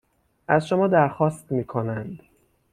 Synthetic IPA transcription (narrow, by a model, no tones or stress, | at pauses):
ʔæzʃomɒːd̪æɾxɒːst̪miːkʰo̞nænd̪